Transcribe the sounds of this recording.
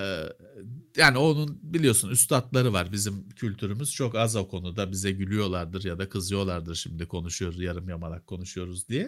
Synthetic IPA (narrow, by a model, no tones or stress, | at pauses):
jaːnio̞nunbilʲijo̞sunyst̪ʰat̪lˠaɾɯvaɾbizimcʰylʲt̪ʰyɾymyz̥t͡ʃʰo̞kazo̞kʰo̞nud̪abizɛɟylʲyjo̞lˠaɾd̪ɯɾjad̪akʰɯzɯjo̞lˠaɾd̪ɯɾʃimd̪ikʰo̞nuʃujo̞ɾuzjaɾɯmjamalˠakʰːo̞nuʃujo̞ɾuzd̪ijɛ